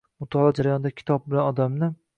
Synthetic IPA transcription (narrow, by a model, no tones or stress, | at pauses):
mʊt̪ʰɒlˠɒd͡ʒaɾajɒnd̪akʲʰɪ̥t̪ʰɒb̚bɪlanɒd̪amnɪ